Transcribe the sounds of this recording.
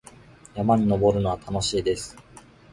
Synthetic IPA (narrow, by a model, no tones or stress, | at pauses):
jamaɲ̟ino̞bo̞ɾɯ̟no̞βat̪ʰano̞ɕiːd̪e̞sɨ̥